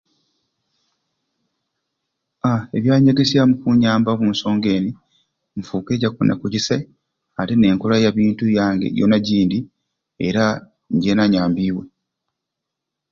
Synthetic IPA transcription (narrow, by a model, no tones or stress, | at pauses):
ae̞βjaːɲeɡesiamukuɲaːmbaβuːnso̞ːŋɡe̞ːni | m̩fuːke̞ɟakuna̰kuɟise | ate̞ne̞ːŋkolajaβiːntujaːŋɡe̞̰jo̰naɟiːndi | ḛɾa | ɲɟe̞naɲaːmbiːwe̞